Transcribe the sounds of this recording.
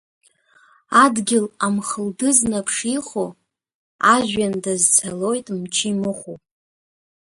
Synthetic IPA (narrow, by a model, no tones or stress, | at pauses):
adɡʲɪlamχəldɨznapʰʂiχo | aʒʷᶣandazt͡sʰalo̞jtʼmt͡ʃʰimɨχopʼ